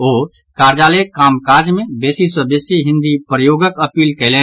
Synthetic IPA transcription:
oː | kaɾd͡ʒaːlekaːmkaɾd͡ʒmẽbesisəbesiɦɪ̃nd̪ipɾəjoːɡəkəpiːlkɛɪle

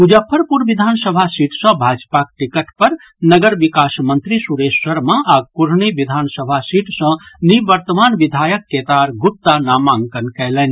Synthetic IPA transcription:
ud͡ʒəpʰːəɾpuɾʋid̪ʱansəbʱasiʈsə̃bʱad͡ʒpak̚ʈikəʈpəɾ | nəɡəɾʋikasmənt̪ɾisuɾesːəɾmãʔaɡ̚kuɾniʋid̪ʱansəbʱasiʈsə̃niʋəɾt̪əmaːnʋid̪ʱajəkːet̪aɾɡup̚t̪ːanamãŋɡkənkɛɦlɛni

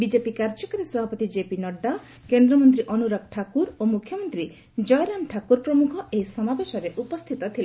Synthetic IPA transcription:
bid͡ʒepikaɾd͡ʒɔkaɾesɔbʱapɔt̪id͡ʒepinɔɖːa | kend̪ɾɔmɔnt̪ɾiʔɔnuɾap̚ʈʰakuɾomukʰjɔmɔnt̪ɾi | d͡ʒɔjɔɾamʈʰakuɾpɾɔmukʰɔʔeɦisɔmabeʃɔɾeʔupɔst̪ʰit̪ɔt̪ʰile

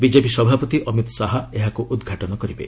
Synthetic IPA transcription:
bid͡ʒepisɔbʱapɔt̪iʔɔmit̪saɦaeɦakuʔud̪ɡʱaʈɔnɔkɔɾibḛ

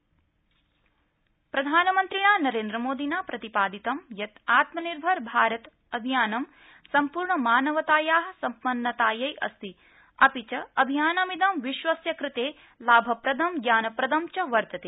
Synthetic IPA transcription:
pɾɐd̪ʱaːnɐmɐnt̪ɾiɳaːnɐɾeːnd̪ɾɐmoːd̪ʱinaːpɾɐt̪ipaːd̪it̪ɐmjɐt̪aːt̪mɐniɾbʱɐɾbʱaːɾɐt̪ | ɐbʱijaːnɐm | sɐmpuːɾɳɐmaːnɐʋɐt̪aːjaːɦɐ̆sɐmpɐnːɐt̪aːjɐjʔɐ̰st̪i | ɐpit͡ʃɐɐbʱijaːnɐmid̪ɐmʋiʃʋɐsjɐkɾɪt̪eː | laːbʱɐpɾɐd̪ʱɐmɡjaːnɐpɾɐd̪ɐmt͡ʃɐʋɐɾt̪ɐt̪eː

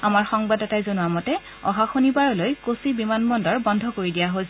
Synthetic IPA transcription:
amaɹxɔŋbadɔtajzonʊwamɔtɛ | ɔ̰ɦaxonibaɹɔlojkosibimanmɔndɔɹbɔndʱɔkoɹidijaɦo

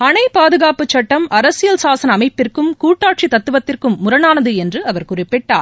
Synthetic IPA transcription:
ɐnɐɪpaːðɯɣaːpɯt͡ʃːɐʈːɐmɐɾɐsɪjɐlsaːsɐnɐɐmɐɪpːɪrkɯmkuːʈːaːʈ̚t͡ʃit̪ɐt̪ːɯʋɐt̪ːɪrkɯmːʊɾɐnaːnɐðɯɛndrɯɐʋɐɾkʊrɪpːɪʈːa̰ːɾ

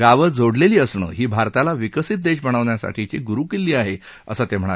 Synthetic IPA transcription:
ɡaʋəd͡zʱoɽleliːəsɳə̰ːɦiːbʱaɾt̪alaʋikəsit̪̚d̪eɕbəɽ̃əʋɳjasa̰ʈʰit͡ɕḭːɡuɾukilːiːaɦe | ə̰sət̪em̤əɽ̃a

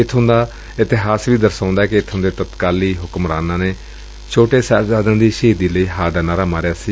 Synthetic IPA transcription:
ɪt̪ʰːɦʊ̃nd̪aː | ɪt̪ɪɦaːsʋiːd̪əɾsãːnd̪aːɛːkɪɪt̪ʰɦʊ̃nd̪eːt̪ət̪kaːliːɦʊkmɾaːnãːneː | t͡ʃʰoːʈeːsazaːd̪ãːd̪iːʃiːd̪iːləiːɦaːɖaːnaːɾaːmaːɾeaːsiː

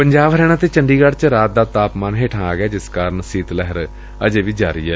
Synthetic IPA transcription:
pəɲd͡ʒaːʋɦɾɛːɽ̃aːt̪eːt͡ʃəɳɖiːɡəɽt͡ʃɾaːt̪̚d̪aːt̪aːpmaːnɦeːʈʰãːaːɡɛːd͡ʒɪskaːɾənsiːt̪lɛɦəɾ | ə̰d͡ʒeːʋiːd͡ʒaːɾḭːɛː

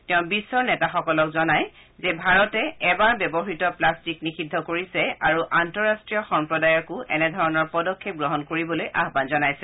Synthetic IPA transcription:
tɛʊ̃bisːɔɹnɛtaxɔkɔlɔkzɔnaj | zɛbʱaɹɔtɛɛbaɹbɛbɔɦitɔplastiknixidʱːɔkoɹisɛaɹuʔantɔɹastɹijɔxɔmpɹɔdajɔkʊʔɛnɛdʱɔɹɔnɔɹpɔdɔkʰːep̚ɡɹɔɦɔnkoɹibɔlojʔa̰ɦbanzɔnajsɛ

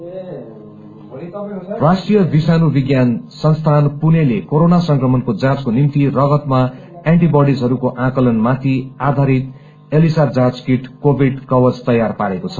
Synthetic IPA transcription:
rasʈrijʌbisanubiɡjansʌnst̪ʰanpunelekoɾonasʌŋkrʌmʌnkod͡zad͡zkonimt̪irʌɡʌt̪ma | eɳʈibʌɽisɦʌɾukoʔãkʌlʌnmat̪ʰiad̪ʱaɾit̪ | elisad͡zad͡zkiʈkobʱiɖkʌwʌd͡zt̪ʌjːarpaɾekot͡sʰʌ̥

